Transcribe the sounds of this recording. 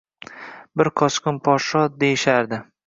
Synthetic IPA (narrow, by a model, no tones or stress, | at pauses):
bɪɾqʰɒskʲʊnpʰɒɾʃɒd̪ejɪʃaɾd̪ɪ